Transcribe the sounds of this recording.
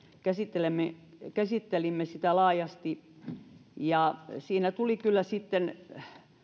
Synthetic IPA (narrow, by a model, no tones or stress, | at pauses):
kæsit̪ːelemːekæsit̪ːelimːesit̪ælɑːjɑst̪i | jɑsiːnæt̪ulikylːæsit̪ːen